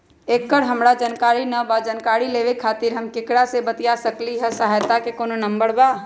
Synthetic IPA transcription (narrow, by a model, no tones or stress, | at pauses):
eːkːəɽɦəmɾad͡ʒənkaːɾinəbad͡ʒənkaːɾileːʋekʰaːt̪ɪɾɦəmkɪkɽasebət̪ijasəkliɦɛsəɦajt̪akekoːnonə̃mbəɽbaː